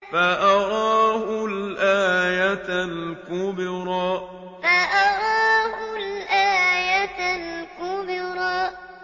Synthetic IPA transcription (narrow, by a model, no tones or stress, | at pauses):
faʔɑɾˤɑːhʊlʔaːjat̪lkʊbɪɾɑ | faʔɑɾˤɑːhʊlʔaːjatlkʊbɪɾɑ